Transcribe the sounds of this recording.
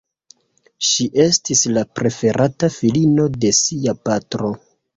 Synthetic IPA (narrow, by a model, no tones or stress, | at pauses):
ʃiʔe̞stislapɾe̞fe̞ɾʔatafilino̞de̞siapatɾo̞